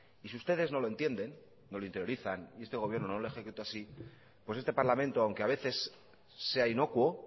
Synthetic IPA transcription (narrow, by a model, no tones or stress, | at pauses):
isiust̪e̞ð̞e̞zno̞loe̞nt̪je̞nd̪e̞nː | o̞loint̪eɾjo̞ɾiθanie̞st̪eɣoje̞ɾno̞nolexekut̪oasi | pwose̞st̪e̞paɾlamẽ̞nt̪oawŋkeaβ̞e̞θe̞sː | e̞aino̞kwo̞